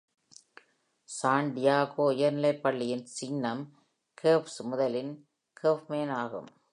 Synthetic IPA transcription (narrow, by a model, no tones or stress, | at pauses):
saːɳɖɪjaːɣoːɪjɐɾnɪlɐɪpːɐɭːɪjɪnsinːɐm | kʰeːpsmʊðɐlɪn | kefmeːnaːɣɯ̰m